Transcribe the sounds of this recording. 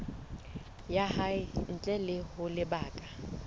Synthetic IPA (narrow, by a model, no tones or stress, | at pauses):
jahaɪn̩t͡ɬʼɛlɪhʊlɪbaːkʼa